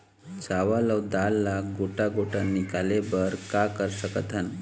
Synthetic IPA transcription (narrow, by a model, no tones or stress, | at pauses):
t͡saʋaləwd̪alːaɡoʈaɡoʈanːikalebəɾkakəɾsəkət̪ʰan